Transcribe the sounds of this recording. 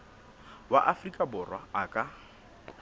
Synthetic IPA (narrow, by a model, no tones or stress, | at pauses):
wa̰ʔafrikʼabʊrwaakʼa